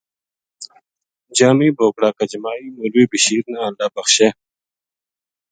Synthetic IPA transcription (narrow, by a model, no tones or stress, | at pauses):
d͡ʑaːmiːboːkɽaːkɐd͡ʑmaːiːmuɾiːbiɕiːɾnaːlaːbɐxɕe